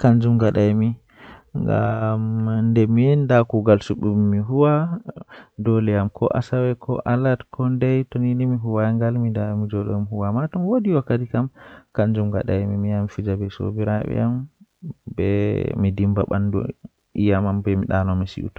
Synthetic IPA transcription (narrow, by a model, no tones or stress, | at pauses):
kand͡ʒumɡaɗajmi | ŋɡa̰mndɛmijɛndakuɡalsuɓumːiɦuwa | dɔlɛjamkɔ̰ʔa̰sawɛkʰɔ̰ʔalatkʰɔndɛjtoninimiɦuwaŋɡalmidamid͡ʒɔɗɔ̰jmhuwamatɔmwodiwakːatikamkand͡ʒumɡa̰ɗa̰jmimijamfid͡ʒabɛso̰biɾa̰ɓɛ̰jam | bɛ̰midimbaɓandṵ | ijamambɛmiɗanɔmisḭʔṵtḁ